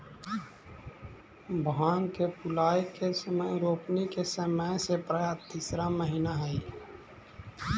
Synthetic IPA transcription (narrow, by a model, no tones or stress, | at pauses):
bʱɦaːnkepʊlaːjkesəməjɾoːpnikesəməjsepɾəjaːt̪iːsɾaməɦɪnaɦɛi